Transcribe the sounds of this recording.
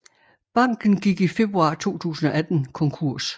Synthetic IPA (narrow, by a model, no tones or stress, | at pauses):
b̥ɑ̈ŋ̰ɡ̥n̩ɡ̥iɡ̥ife̝b̥ʁuɑ̈t͡sʰo̝̰ːt͡sʰṵːsn̩ɒ̽ʔæd̥n̩kʰɒ̽ŋkʰuɐ̰s